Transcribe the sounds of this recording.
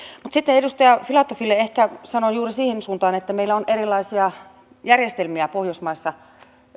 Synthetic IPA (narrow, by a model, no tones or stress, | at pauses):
mut̪sit̪ːeedust̪ɑjɑfilɑt̪ːofilːeehkæsɑnojuːrisiːhensuːnt̪ɑːnet̪ːæmeilːæonʔeɾilːˑɑisiɑ | jærjest̪elmiæpohjosmɑisːɑ